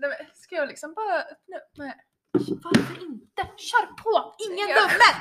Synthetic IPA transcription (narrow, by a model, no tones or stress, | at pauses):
d̪ɛveskajɑːɡlɪksɔmbɑːɾaʔɵpnœmɛ | vaɾfœɾɪnt̪əɕœːɾpʰoɪŋːənɵmːən